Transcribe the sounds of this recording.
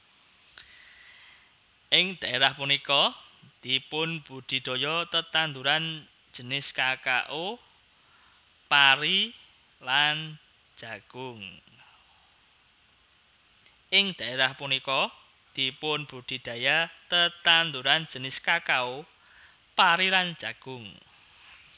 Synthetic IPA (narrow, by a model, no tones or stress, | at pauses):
ʔɪŋd̪̥a̤eɾahpunikɔd̪̥ipʊnb̥ud̪̥i̤d̪̥o̤jɔt̪ət̪and̪uɾan̥ | d͡ʒ̥ə̤nɪskaka̰ʔo | paɾi | lan̥ | d͡ʒ̥aɡ̥ʊŋ | ʔɪŋd̪̥a̤eɾahpunikɔ | d̪̥ipʊnb̥ṳd̪̥i̤d̪̥ä̤jat̪ət̪and̪uɾan̥d͡ʒ̥ənɪskakao | paɾiland͡ʒ̥aɡ̥ʊŋ